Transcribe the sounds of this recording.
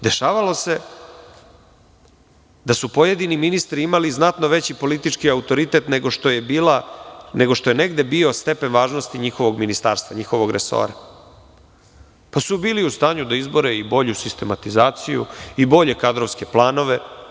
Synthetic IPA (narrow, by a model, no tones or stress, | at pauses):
d̪e̞ʃaːʋalose̞ | d̪asupojed̪iniminist̪ɾiimaliznat̪no̞ʋe̞t͡ɕipo̞lit̪it͡ʃkiaut̪o̞ɾit̪e̞t̪neɡoʃt̪ojebiːlaneɡo̞ʃt̪o̞jene̞ɡd̪e̞bio̞st̪e̞pe̞nʋaːʒnost̪iɲixo̞ʋo̞ɡminist̪aːɾst̪ʋaɲixo̞ʋo̞ɡɾeso̰ːɾa | pasubiːliust̪aːɲud̪aizbo̞ɾeibo̞ʎusist̪e̞mat̪izaːt̪sijṵibo̞ʎe̞kad̪ɾoʋske̞plˠaːno̞ʋe̞